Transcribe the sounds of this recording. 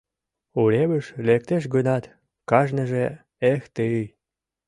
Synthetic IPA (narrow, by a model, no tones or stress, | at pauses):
uleβə̆ʃlek̚t̪eʃ̬ɡənɑt̪ | kɑʒnə̆ʒe | ext̪eɯj